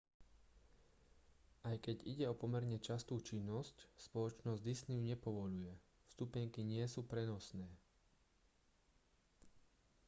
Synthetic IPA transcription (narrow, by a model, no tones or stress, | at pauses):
ajkɛɟiɟɛɔpɔmɛɾɲɛt͡ʃast̪uːt͡ʃinːɔscspɔlɔt͡ʃnɔzɟd̪isnijuɲɛpɔʋɔʎujɛ | fst̪upɛŋkiɲɪɛsuːpɾɛnɔsnɛː